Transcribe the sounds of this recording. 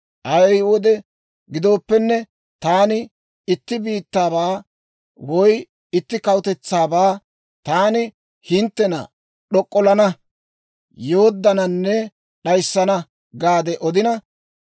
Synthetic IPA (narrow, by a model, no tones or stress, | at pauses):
ʔɐjɛjwɔd̪ɛ | ɡɪd̪o̞ːpːɛnːɛ | t̪aːnɪ | ɪt̪ːɪbiːt̪ːaːbaː | wɔj | ɪt̪ːɪkɐwʊt̪ɛt͡sːaːbaː | t̪aːnɪ | hɪnt̪ːɛnɐ̰ | ɗɔkʼːɔlɐnɐ | joːd̪ːɐnɐnːɛ | ɗɐjsːɐnɐ | ɡaːd̪ɛʔɔd̪ɪnɐ